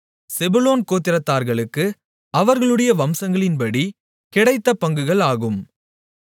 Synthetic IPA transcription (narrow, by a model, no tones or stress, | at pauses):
sɛbɯloːnkoːt̪ːɪɾɐt̪ːaːɾɣɐɭɯkːɯ | ɐʋɐɾɣɐɭɯɽɐjɐʋɐmsɐŋɡɐɭɪnpɐɽi | kɪɽɐɪt̪ːɐpːɐŋɡɯɣɐɭaːɣɯm